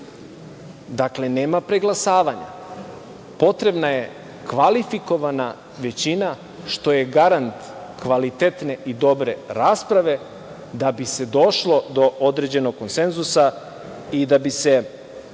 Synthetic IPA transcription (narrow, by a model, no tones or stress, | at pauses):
d̪akle̞ne̞ːmapɾe̞ɡlˠasaːʋaɲa̰ | po̞t̪ɾe̞bnaje̞ | kʋalifiko̞ʋana | ʋe̞t͡ɕina | ʃt̪o̞je̞ɡaɾant̪ | kʋalit̪et̪ne̞ʔid̪o̞bɾe̞ɾaːspɾaʋe̞ | d̪abise̞d̪o̞ʃlo̞d̪o̞ʔod̪ɾed͡ʑe̞no̞ɡ̚kːonsenzusa | id̪abise̞